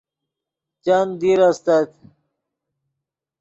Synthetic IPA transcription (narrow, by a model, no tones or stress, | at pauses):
t͡ɕand̪iɾɐst̪at̪